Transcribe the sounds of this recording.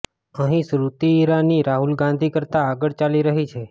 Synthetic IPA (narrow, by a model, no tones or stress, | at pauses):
əɦĩsɾut̪iːɾaniɾaɦulɡãn̆d̪ʱikəɾt̪aːɡəɽt͡ʃaliɾəɦit͡ʃʰe